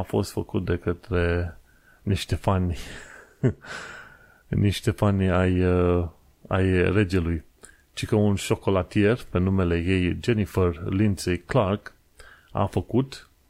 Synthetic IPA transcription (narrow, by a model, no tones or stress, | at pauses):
afo̞̰st̪fəkut̪̚d̪e̞kət̪ɾe̞ | niʃt̪e̞fanʲ | niʃt̪e̞fanʲaj | a̰jre̞d͡ʒe̞luj | t͡ʃikəunʃo̞ko̞lat̪ie̞rpenume̞le̞je̞jd͡ʒe̞nifərlinseklark | a̰fəkut̪